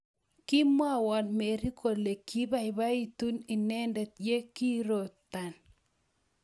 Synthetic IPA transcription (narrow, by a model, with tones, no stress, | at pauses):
ki˦mwa˦wa˨nme˨ɾi˦kʰo˨le˨ki˦βa˦i˨βa˦i˦tu˦ni˨nɛ˦ndɛ˨t̪̚je˦ki˦ɾo˨t̪a˨n